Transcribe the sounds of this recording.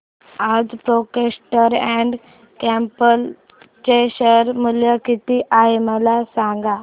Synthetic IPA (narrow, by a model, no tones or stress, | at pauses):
ad͡zpɾokesʈəɾɛ̃ɳɖ | kɛ̃mpəl | t͡ɕeɕəɾmuljəkit̪iʔaɦeməlasãŋɡa